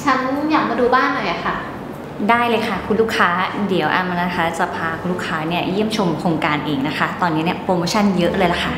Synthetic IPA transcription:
t͡ɕʰa˦˥njaː˨˩k̚maː˧duː˧baː˥˩nlaː˧jʔa˨˩kʰa˥˩ | daː˥˩jlɤː˧jkʰa˥˩kʰu˧nluː˥˩kʰaː˦˥di˩˦wʔa̰˧˩ma˧na˦˥kʰa˦˥t̪̚sa˧pʰaː˧kʰu˧nluː˥˩kʰaː˦˥ni˥˩ɐji˥˩əmt͡ɕʰo˧mkʰoː˧ŋkaː˧nʔeː˨˧ŋna˦˥kʰa˦˥t̪ɔː˧nːi˦˥ni˥˩ɐpɾoː˧moː˧t͡ɕʰa˥˩njɤ˦˥lɤː˧jla˨˩kʰa˥˩

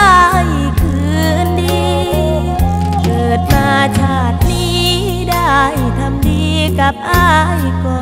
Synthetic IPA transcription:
j | kʰɯ˨˩ | ndiː˧ | kɤː˨˩t̪̚maː˧t͡ɕʰaː˧˩t̪̚miː˥˧˩ | da˥˩jt̪ʰa˧mdiː˧ka˧˩p̚ʔaː˧˩jkɔː˨˩

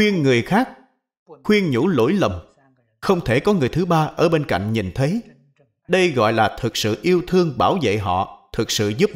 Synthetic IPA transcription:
wi˧ənːɨ˨˩əjxaː˦˥k̚ | xwi˧ənɲṵ˧˥lo̰˧˥jlə˨˩ŋ͡m | xə˧wŋ͡mt̪ʰe˧˩kɔ˨˦ŋɨ˨˩əjt̪ʰɨ˨˦ɓaː˧ʔəː˧˩ɓe˧nka̰˧˨jŋ̟ɲi˨˩nt̪ʰə˨˦j | ɗə˧jɣɔ̰˧˨jlaː˨˩t̪ʰɨ˨˩k̚sɨ̰˧˨ʔi˧əwt̪ʰɨ˧əŋɓaː˧˩wzḛ˧˨ɦɔ̰˧˨t̪ʰɨ˨˩k̚sɨ̰˧˨zu˦˥p̚

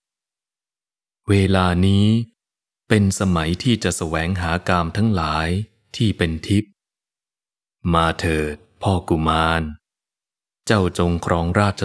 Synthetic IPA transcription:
weː˧laː˧niː˦˥ | pe˧nsa˧ma˩˦jt̪ʰiː˥˩t͡ɕa˨˩ʔsa˧wɛː˩˦ŋɦaː˩˦kaː˧mt̪ʰa˦˥ŋlaː˩˦j | t̪ʰiː˥˩pe˧nt̪ʰi˦˥p̚ | maː˧t̪ʰɤː˨˩t̪̚pʰɔː˥˩ku˧˩maː˧n | t͡ɕa˥˩wt͡ɕo˧ŋkʰɾɔː˦˥ŋɾaː˥˩t̪̚t͡ɕʰa˧

